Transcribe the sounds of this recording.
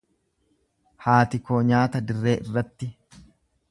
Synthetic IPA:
haːt̪ɪkoːɲaːt̪ɐd̪ɪrːe̞ːʔɪrːɐt̪ːɪ

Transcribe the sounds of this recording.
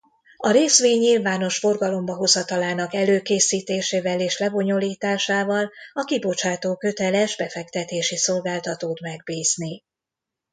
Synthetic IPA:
ɒɾeːsʋeːɲːilvaːno̞ʃfo̞rɡɒlo̞mbɒɦo̞zɒt̪ɒlaːnɒkɛløːkeːsiːt̪eːʃeːvɛleːʃlɛbo̞ɲo̞liːt̪aːʃaːvɒlɒkibo̞t͡ʃaːt̪oːkø̞t̪ɛlɛʒbɛfɛk̚t̪ɛt̪eːʃiso̞lɡaːlt̪ɒt̪oːt̪mɛɡ̚biːzni

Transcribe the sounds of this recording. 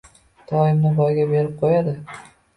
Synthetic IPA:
d̪̥ɒɪmnɪbɒjɡʲabe̞ɾɪp̚qʰojad̪ɪ

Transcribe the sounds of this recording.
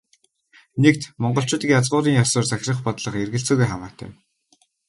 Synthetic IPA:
nekt̪mɔɴɢɞ̆ɬt͡ɕʊːt̪ĭkjat͡sʁʊːɾiːŋjasʊːrt͡saxʲrə̆χpɔt̪ɮə̆χerɣɘ̆ɬt͡sɵːɣujχamaːt̪ʰæ̰ː

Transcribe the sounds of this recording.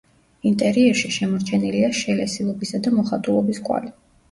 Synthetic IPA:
int̪ʼɛɾiɛɾʃiʃɛmɔɾt͡ʃʰɛniliaʃɛlɛsilˠɔbisad̪amɔχat̪ʼulˠɔbiskʼwa̰li

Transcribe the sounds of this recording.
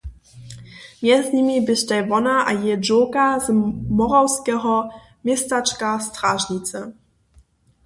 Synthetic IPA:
mʲjɛzɲimibɪɕtajvɔnaʔa̰jɛd͡ʒɔkazmɔʁawskɛɦɔ | mʲjɛstat͡ʃkastʁaʒɲit̪t͡s̪ɛ

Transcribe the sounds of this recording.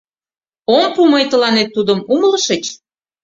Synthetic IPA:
ompumɤjt̪ə̆lɑnet̪ːud̪ə̆mumələʃə̆t͡ɕ

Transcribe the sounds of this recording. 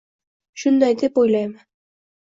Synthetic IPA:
ʃʊnd̪ɑjd̪epojlˠɑjmɪ

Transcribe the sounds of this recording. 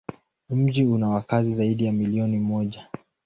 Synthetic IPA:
m̩ʄiunawakazizaiɗijamiliɔnimɔʄa

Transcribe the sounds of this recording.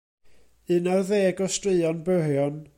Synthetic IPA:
ɨnarðeːɡɔstrɪɨɔnbərjɔn

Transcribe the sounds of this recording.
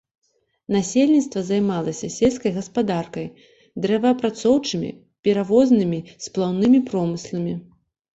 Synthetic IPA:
nasʲelʲnʲit̪st̪vɐzajmalˠɐsʲɐsʲelʲskɐjɣɐspad̪arkɐj | d̪ɾɛvɐɐpɾat̪sɔwt͡ʂɨmʲḭ | pʲɛɾavɔznɨmʲisplˠawnɨmʲipɾɔmɨslˠɐmʲi

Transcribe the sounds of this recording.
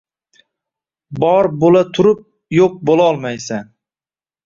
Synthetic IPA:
bɒɾbolat̪ʰʊɾɪp̚ | joq̚bolaɒlˠmajsan

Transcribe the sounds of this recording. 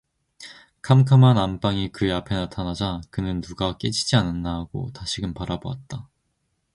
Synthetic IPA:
kʰamkʰamanamp͈aŋikɯapʰe̞natʰanad͡ʑakɯnɯnːuɡak͈ed͡ʑʰid͡ʑianɯnːaɦaɡ̥o̰taɕʰiɡɯnpaɾaboa̰t̚t͈a

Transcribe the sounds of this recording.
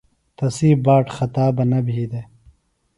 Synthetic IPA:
t̪ɐsiːbaːʈxɐt̪aːbɐnɐbʱiːd̪e

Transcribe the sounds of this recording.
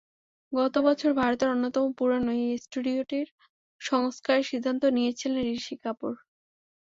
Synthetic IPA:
ɡɔt̪obɔt͡ɕʰoɾbʱaɾot̪eɾonːot̪ɔmopuɾanojesʈuɖioʈiɾ | ʃɔŋoskaɾeɾʃid̪ʱːant̪onijet͡ɕʰilenɾiʃikapoɾ

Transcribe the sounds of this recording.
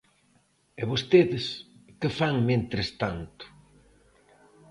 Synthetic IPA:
eβost̪eðɪskefaŋmẽnt̪ɾest̪ant̪ʊ̥

